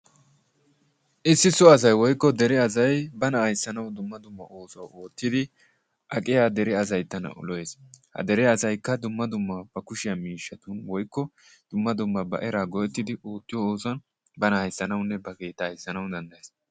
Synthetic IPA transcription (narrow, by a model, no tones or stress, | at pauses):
ʔɪsːɪsɔɐs̬ɐjwɔjkːɔd̪ɛɾɛɐzɐjbɐnɐhɐjsːɐnɐwd̪ʊmːɐd̪ʊmːɐʔoːsɐwoːt̪ːɪd̪ɪ | ʔɐkʼɪjaːd̪ɛɾɛɐz̬ɐjt̪ːɐnɐ̰ʔʊ̰lɔjeːshɐ̰d̪ɛɾɛɐsɐjkːɐd̪ʊmːɐd̪ʊmːɐb̥ɐkʊʃɪjɐmiːʃːɐt̪ʊnwɔjkːɔ | d̪̥ʊmːɐd̪ʊmːɐbɐ̰ʔɛɾaːɡɔʔɛt̪ːɪd̪ɪʔoːt̪ːɪjɔoːsɐn | bɐnɐhɐjsːɐnɐwnːɛbɐke̞ːt̪ːɐhɐjsːɐnɐwd̪ɐnd̪ɐjeːs